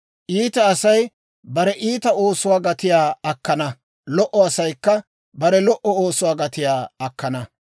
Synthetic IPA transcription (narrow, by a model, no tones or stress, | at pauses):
ʔiːt̪ɐːsɐj | bɐɾɛʔiːt̪ɐo̞ːsʊwaːɡɐt̪ɪjaːɐkːɐnɐ | lɔʔɔɐsɐjkːɐ | bɐɾɛlɔʔɔoːsʊwaːɡɐt̪ɪjaːɐkːɐnɐ